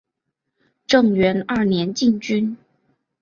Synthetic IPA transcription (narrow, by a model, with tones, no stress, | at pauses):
ʈ͡ʂɤ˥˩ŋɥɛ˧˥nɐ˥˩njɛ˧˥nt͡ɕi˥˩ŋt͡ɕy˥n